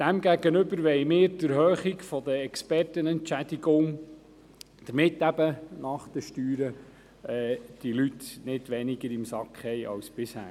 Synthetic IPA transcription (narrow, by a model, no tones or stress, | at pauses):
d̥æmɡæɡənɵʏbəɾʋɛjmɪːɾdəɾɦøːχiɡfɔd̪əɛkspɛrtənɛntt͡ʃæd̥̪iɡʊŋ | d̪̥əɾmɪtːæbənɑχd̪̥əʃtyːɾə | ɛːd̥ilytnɪdʋɛnɪɡəɾɪmsɑkχhɛɪʔɑ̰wsb̥ɪshæ̰ː